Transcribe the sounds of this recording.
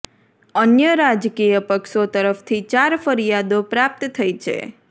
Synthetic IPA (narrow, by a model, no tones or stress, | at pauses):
ənjəɾad͡ʒkijəpəkʃot̪əɾəft̪ʰit͡ʃaɾfəɾijad̪opɾap̚t̪t̪ʰəjt͡ʃʰḛ